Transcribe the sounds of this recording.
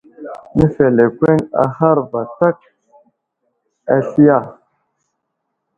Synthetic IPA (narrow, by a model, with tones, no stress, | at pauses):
nə˦fe˨le˨kʷe˦ŋa̰˨ha˦ɾva˨ta˦k̚ | a˨ɬi˦ja˦˨